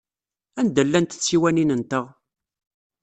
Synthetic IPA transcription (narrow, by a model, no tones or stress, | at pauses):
ænd̪əlːænt̪ə̥t͡sːiwæninənt̪əʁ